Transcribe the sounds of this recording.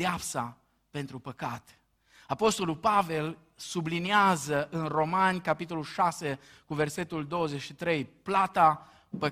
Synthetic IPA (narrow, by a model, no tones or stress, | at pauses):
eapsa | pe̞nt̪ɾupəkat̪ | apo̞st̪o̞lulpave̞l | subliniazəʔɨnro̞manʲkapit̪̬o̞lulʃase̞ | kuve̞rse̞t̪uld̪o̞wəzet͡ʃʃit̪ɾe̞jplat̪a | pə